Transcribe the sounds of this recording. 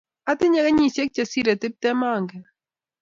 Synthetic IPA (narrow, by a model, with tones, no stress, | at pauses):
a˦t̪ɪ˦ɲa˦ɣa˦ɲi˨sɛ˦k̚t͡ʃasiɾɛ˨t̪ɪ˦p̚t̪ɛ˦maː˨ŋɡɛ